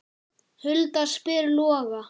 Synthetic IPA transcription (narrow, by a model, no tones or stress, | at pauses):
hʏlt̪aspɪɾlɔːɣa